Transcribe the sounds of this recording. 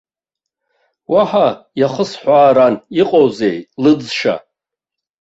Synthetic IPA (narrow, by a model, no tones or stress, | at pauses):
waħajaχəsħʷaːɾaniqʼowzejlɨd͡zʂa̰